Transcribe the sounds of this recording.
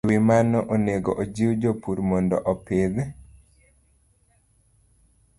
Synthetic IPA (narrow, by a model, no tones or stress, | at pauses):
wimanɔʔoneɡɔʔod͡ʒiwd͡ʒopuɾmondɔʔɔpeðe